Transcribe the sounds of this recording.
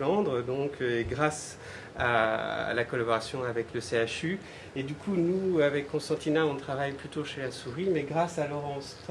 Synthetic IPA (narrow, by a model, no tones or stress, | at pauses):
lɑ̃d̪ʁd̪ɔ̃kʰeɡʁas | a̰lakɔlabɔʁasjɔ̃avɛkləseaʃy | ed̪ykʰunuavɛkːɔ̃st̪ɑ̃t̪inaɔ̃t̪χavajplyt̪oʃelasuʁimɛɡʁasalɔʁɑ̃st̪